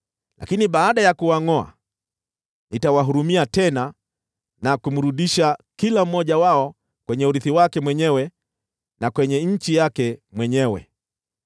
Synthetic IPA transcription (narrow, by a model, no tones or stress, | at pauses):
lʔa̰kiniɓaːɗajakuwaŋɔa̰ | nitawaɦuɾumiatɛna | nakum̩ɾuɗiʃakilam̩mːɔʄawaɔ | kwɛɲɛuɾiθiwakɛmwɛɲɛwɛ | nakwɛɲɛɲ̩t͡ʃijakɛmwɛɲɛwɛ̰